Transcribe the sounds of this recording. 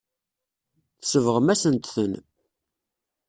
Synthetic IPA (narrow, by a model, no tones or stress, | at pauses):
θsəvʁəmæsənt̪θən